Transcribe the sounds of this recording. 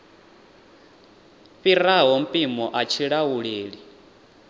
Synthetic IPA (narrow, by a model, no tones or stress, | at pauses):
ɸiɾaɦɔm̩pʼimɔʔat͡ʃʰiɺawuɺeːɺi